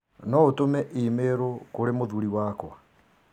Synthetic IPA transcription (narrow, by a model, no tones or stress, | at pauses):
nɔotomɛʔimeɾokoɾemoðuɾiwakwa̰